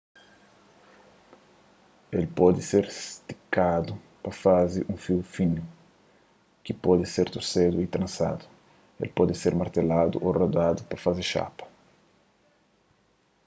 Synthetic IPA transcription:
elpɔd̪ɪseɾst̪i̥kad̪u | pɐfazɪʔũfiwfinʊ | kɪpɔd̪ɪseɾt̪oɾsed̪uit̪ɾɐ̃nsa̰d̪ʊ̥ | ḛlpɔd̪ɪseɾmaɾt̪elad̪ṵʔorod̪ad̪upɐfazɪʃa̰pɐ̥

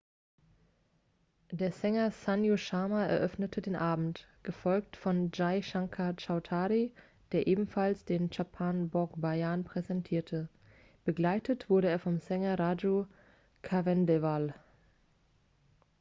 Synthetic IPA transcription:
d̥eːɐzɛŋɐsanjoʃaːmaɛ̰ɐʔœfnətʰədeːnʔaːbm̩t | ɡ̥əfɔlk̚tfɔnd͡ʒaɪʃaŋkʰat͡ʃaʊtʰaːʁi | d̥eːɐʔeːbm̩falsd̥eːnt͡ʃapʰaːnbɔɐkbajanpʁ̥ɛzɛntʰiːɐtʰə | b̥əɡlaɪtʰətv̥ʊɐɾəeːɐfɔmzɛŋɐʁaːd͡ʒo | kʰavɛndɛval

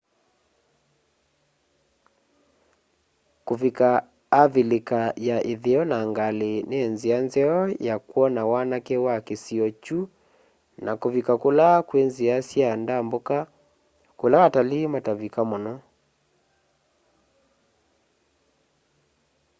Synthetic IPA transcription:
kovikaː | vilekajaʔeðeɔnaŋɡaleneːnzianzɛɔjakwɔnawanakewakesiɔt͡ʃu | nakovikakolakwenziasjandamboka | kolaatalematavikamɔnɔ

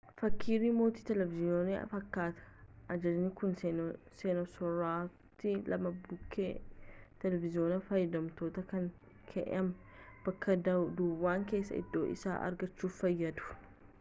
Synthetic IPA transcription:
fɐkʰːiːɾiːmo̞ːt̪i̥ːt̪ɛlɛvɪzɪoːniɐ̰fɐkːaːt̪ɐ̥ʔɐd͡ʒɐd͡ʒnɪkʊn | seːnɔsɔɾaː | t̪ːɪlɐmɐbʊkʰːeːt̪ɛlɛvɪzɪo̞ːnɐfɐjːɐd̪ɐmt̪o̞ːt̪ɐkɐŋ | kʰɛ̰ʔɛ̰ɐm | b̥ɐkʰːɐd̪ɐd̪uːwːaːŋke̞ːsːɐ̰ɪ̰d̪ːo̞̰ːʔɪ̰sa̰ːʔɐ̰ɾɡɐt͡ʃːuːfːɐjːɐd̪ʊ̥

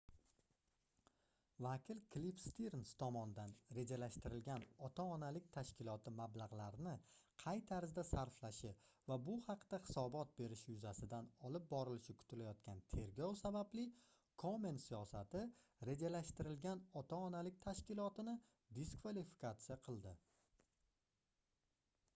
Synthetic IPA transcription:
vakʲɪlkʰlifst̪iɾnst̪ʰɒmɒnɪd̪anɾe̞d͡ʒalaʃt̪ɪɾɪlɡʲanɒt̪ʰaɒnalɪk̚ʲt̪ʰaʃkʲɪlˠɒt̪ʰɪmablˠaʁlaɾɪnɪqʰɑjt̪ʰaɾzd̪asaɾflaʃɪ | vabʊhɑqd̪̥ahɪ̥sɒbɒt̪̚be̞ɾɪʃjʊzasɪd̪anɒlɪp̚bɒɾɪlɪʃɪkʰʊ̥t̪ʰɪlajɒt̪kʲʰant̪ʰe̞ɾɡʲɒwsabablɪ | kʰomensijɒsat̪ɪɾe̞d͡ʒalaʃt̪ɪɾɪlɡʲanɒt̪ʰaɒnalɪk̚ʲt̪ʰaʃkʲɪlˠɒt̪ɪnɪ | d̪iskvalifɪ̥kat̪sɨjaqʰɨlˠd̪ɪ

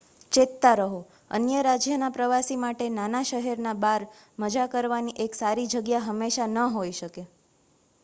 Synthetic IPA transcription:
t͡ʃet̪ːaɾəɦo | ə̰njəɾad͡ʒjənapɾəʋasimaʈenanaʃəɦɛɾnabaɾ | məd͡ʒakəɾʋaniʔeksaɾid͡ʒəɡjaɦəmːeʃanəɦoiʃəke

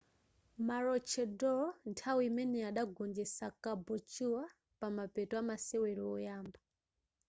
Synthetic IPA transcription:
maɾɔt͡ʃʰɛdɔntʰawiimɛnɛaɗaɡɔnd͡ʒɛsakabɔt͡ʃuwa | pamapɛtɔamasɛwɛɾɔɔjaːmba

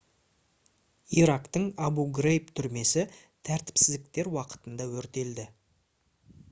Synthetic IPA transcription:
iɾakt̪əɴɑbuɡrejpt̪ʰʏɾme̞sɪ | t̪ʰæɾt̪ɪ̥psɪzd̪ɪk̚t̪e̞ɾwɑqə̥t̪ənd̪ɑwɵɾt̪e̞ld̪ɪ

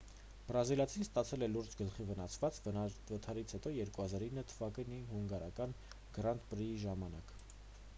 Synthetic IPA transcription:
b̥ɾɑzilɑt͡sʰinst̪ɑt͡sʰɛlɛluɾd͡ʒɡəlχivənɑsvɑt͡svət̪ʰɑɾit͡sʰhɛt̪ɔjɛɾkuhɑzɑɾinːət̪ʰəvɑkəniɦuŋɡɑɾɑkɑn | ɡ̥ɾɑnt̪pɾiiʒɑmɑnɑk

